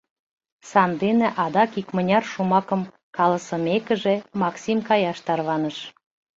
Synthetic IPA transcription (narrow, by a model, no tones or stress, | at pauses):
sɑnd̪enĕʔɑd̪ɑkikmənʲɑrʃumɑkəm | kɑləsə̆mekə̆ʒĕmɑksʲimkɑjɑʃt̪ɑrβɑnəʃ